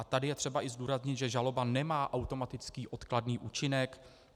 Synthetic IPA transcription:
at̪adɪjɛt̪r̥ɛbaʔɪzduːɾazɲɪt̪ʒɛʒalo̞banɛmaːʔawt̪o̞mat̪ɪt͡skiːʔo̞t̪kladniːʔuːt͡ʃɪnɛk

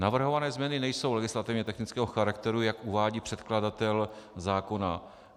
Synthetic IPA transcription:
navr̩ɦo̞vanɛːzmɲɛnɪnɛjso̞wlɛɡɪslat̪ɪvɲɛt̪ɛxnɪt͡skɛːɦo̞xaɾakt̪ɛɾujakʔuvaːɟiːpr̥ɛt̪kladat̪ɛlzaːko̞na̰

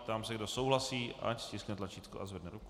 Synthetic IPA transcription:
t̪amsɛɡdosowɦlasiːʔa̰cscɪsknɛt̪lat͡ʃiːt̪kuʔa̰zvɛdnɛɾuku̥

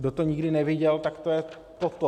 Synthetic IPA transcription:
dot̪oɲɪɡdɪnɛvɪɟɛlt̪akt̪ojɛ | t̪ot̪o

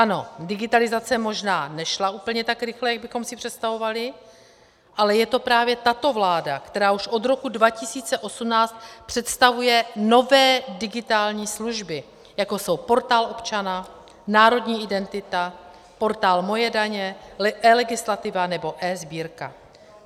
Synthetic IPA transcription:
ʔano̞dɪɡɪt̪alɪzat͡sɛmo̞ʒnaːnɛʃlauːpl̩ɲɛt̪akɾɪxlɛjaɡ̚bɪxo̞msɪpr̝̥ɛt̪st̪avo̞valɪ | ʔalɛjɛt̪o̞pɾaːvjɛt̪at̪o̞vlaːda̰kt̪ɛɾaːuʃʔo̞d̪ɾo̞kudvacɪsiːt͡sɛʔo̞sumnaːst̪̚pr̥ɛt̪st̪avujɛno̞vɛːdɪɡɪt̪aːlɲiːsluʒbɪ | jako̞so̞wpo̞ɾt̪aːlʔo̞pt͡ʃana | naːɾo̞dɲiːɪdɛnt̪ɪt̪a | po̞ɾt̪aːlmo̞jɛdaɲɛʔɛːlɛɡɪslat̪ɪvanɛbo̞ʔɛːzbiːɾka̰

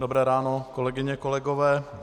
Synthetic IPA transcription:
dobɾɛːɾaːnokolɛɡɪɲɛkolɛɡovɛː

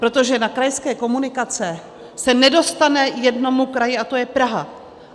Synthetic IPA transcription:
pɾo̞t̪o̞ʒɛnakɾajskɛːko̞munɪkat͡sɛ | sɛnɛdo̞st̪anɛjɛdno̞mukɾajɪat̪o̞jɛpɾaɦa̰

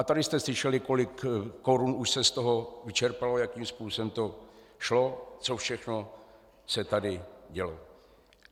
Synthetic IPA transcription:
at̪adɪst̪ɛslɪʃɛlɪko̞lɪkːo̞ɾunuʃsɛst̪o̞ɦo̞vɪt͡ʃɛɾpalo̞jakiːmspuːsɛmt̪o̞ | ʃlo̞t͡so̞fʃɛxno̞ | sɛt̪adɪɟɛlo

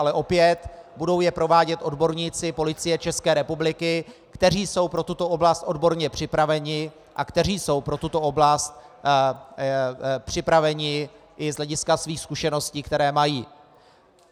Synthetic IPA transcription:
alɛʔo̞pjɛt̪budo̞wjɛpɾo̞vaːɟɛt̪ʔo̞dbo̞ɾɲiːt͡sɪpo̞lɪt͡sɪjɛt͡ʃɛskɛːɾɛpublɪkɪkt̪ɛriːso̞wpɾo̞t̪ut̪o̞ʔo̞blast̪ʔo̞dbo̞ɾɲɛpr̝̥ɪpɾavɛɲɪ | ʔakt̪ɛr̝iːso̞wpɾo̞t̪ut̪o̞ʔo̞blast̪̚ | pr̝̥ɪpɾavɛɲɪ | ʔɪzɦlɛɟɪskasviːxskuʃɛno̞sciːkt̪ɛɾɛːmajiː

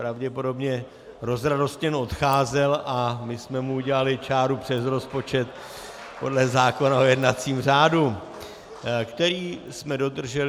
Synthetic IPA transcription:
ɾavɟɛpo̞do̞bɲɛ | ɾo̞zɾado̞st̪ɲɛno̞t̪xaːzɛlamɪsmɛmuuɟɛlalɪt͡ʃaːɾupr̝̥ɛsɾo̞spo̞t͡ʃɛt̪ | po̞̰dlɛzaːko̞naojɛdnat͡siːmr̝aːdu | kt̪ɛɾiː | smɛdo̞d̪r̩ʒɛl

